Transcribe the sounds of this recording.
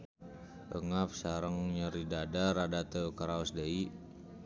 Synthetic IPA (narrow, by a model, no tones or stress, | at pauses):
ʔəŋap̚saɾəŋɲəɾidadaɾadat̪əkaɾaɔsdəi